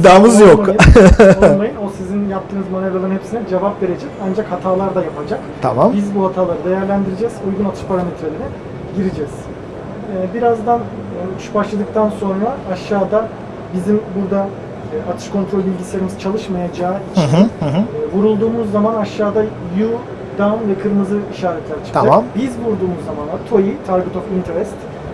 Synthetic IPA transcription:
d̪aːmɯzjoeolˠajɯno̞sizinjap̚t̪ʰːɯːnɯzmaneɾalˠɯnɦe̞psinɛd͡ʒe̞vapve̞ɾe̞d͡ʒɛcand͡ʒakhat̪ʰaːlˠaɾd̪ajapʰad͡ʒak | t̪ʰa̰mambizbuɦhat̪ʰaːlˠaɾɯd̪e̞jæɾlʲænd̪iɾed͡ʒɛzujɡunat̪ʰɯ̥ʃpʰaɾamet̪ʰɾelʲiɾɛ | ɟiɾid͡ʒɛz̥ | ɛbiɾazd̪anː | ʃbaʃlˠad̪ɯk̚t̪ʰanso̞nɾaːʃːaːd̪a | bizimbuɾd̪a | at̪ʰɯ̥ʃkʰo̞nt̪ɾolʲbilʲɟislʲeɾimizɯt͡ʃʰalˠɯʃmajad͡ʒaːit͡ʃninɦvuɾulˠd̪uːmuzːamanaʃːaːd̪aju | d̪amvɛkʰɯɾmɯzɯiʃaːɾɛt̪lʲæɾt͡ʃʰi̥lbizbuɾd̪uːmuzːamanˠaɾt̪ʰojit̪ʰaɾɡɯt̪ʰofint̪ʰeɾɛst̪

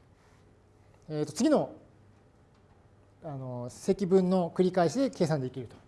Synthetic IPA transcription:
et̪ːo̞t͡sɨɡʲino̞ | ano̞se̞kʲibɯ̟̃nːo̞kɯ̟ɾʲikaiɕid̪e̞ke̞ːs̬ãnd̪ekʲiɾɯ̟t̪o̥

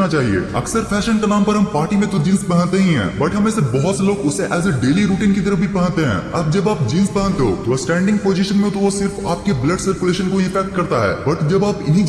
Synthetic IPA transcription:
nat͡ʃaːɦiḛːɐksəɾpʰɛːʃənkanaːmpɐɾɦɐmpaːɾʈimẽt̪od͡ʒĩːnspɐɦə̃nt̪eɦĩɦɛ̰̃ːbɐʈɦɐmẽːsebɐɦʊt̪seloːɡʊseʔɛːzeɖeːliɾuːʈiːnkit̪ɐɾəfbʱipɐ̃ɦə̃nt̪eɦɛ̰̃ːɐb̚d͡ʒɐbaːp̚d͡ʒiːnspɐ̃ɦə̃nt̪eɦo̰ːt̪osʈɛ̃ːɳɖɪ̃ŋɡ̚poːd͡ʒɪʃənmẽt̪oʋosɪɾfaːp̚kebləɖsɐɾkʊleːʃənkoiɪfɛːk̚ʈ̚kɐɾt̪aɦɛ̰ːbɐʈd͡ʒɐbaːpɪnɦi

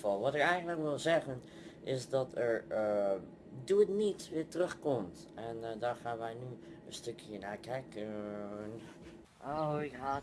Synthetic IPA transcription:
fɔlˠʋɔtɪkɛjɣəntləkʋɪlˠzɛɣən | ʔɪsdɔtʰəɹ | duətnitʋɪːɹtərøxkomt | ɛndaːɹxaːnʋɛjnyənstøkjənaːkɛkən | oa

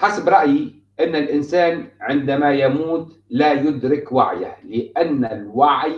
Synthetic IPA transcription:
ħasabɾˤɑʔji | ʔɪnːɪlʔɪnsaːnʕɪnd̪amajamuːt̪ | lajʊd̪ɾɪkwa̰ʕja̰hlɪʔanːalwaʕj

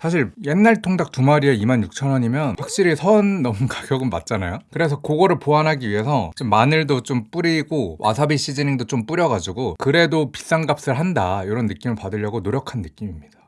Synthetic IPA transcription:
sʰaɕʰiɭje̞nːaɭtʰoŋdak̚tumaɾieimanjuk̚t͡ɕʰʌnʌɲimjʌnɸwak̚ɕ͈iɾisʰʌɯnːʌmukaɡjʌɡɯnma̰t̚t͡ɕ͈ana̰jokɯɾe̞s̬ʰʌkoɡʌɾɯɭpoanɦaɡiɥiɦe̞sʰʌt͡ɕ͈omːanɯɭdot͡ɕomp͈uɾiɡowʔa̰sʰabiɕ͈id͡ʑɯniŋdot͡ɕ͈omp͈uɾjʌɡad͡ʑiɡokɯɾe̞dopi̥s͈aŋɡap̚s͈ɯɭɦandaiɾʌnːɯk͈imɯɭpadɯɭjʌɡonoɾjʌkʰanːɯk͈imimɲid̥a

